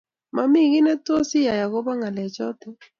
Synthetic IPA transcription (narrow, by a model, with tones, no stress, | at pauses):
ma˨mi˦˨ɣɪ˦nɛ˦to˦si˦ja˨ja˨ɣo˦ba˦ŋa˨lɛ˨t͡ʃɔ˦tɛ˦